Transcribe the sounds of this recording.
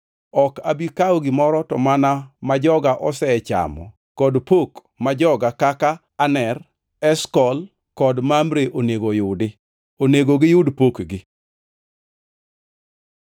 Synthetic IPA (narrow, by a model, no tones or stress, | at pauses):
ɔkabikawoɡɪmɔɾɔtɔmanamad͡ʒɔɡaʔɔsɛt͡ʃa̰mɔ̰ | kɔdpok | mad͡ʒɔɡakakaːnɛr | ɛskɔl | kɔdmamɾeʔoneɡojʊdɪ | oneɡoɡɪjʊdpokɡɪ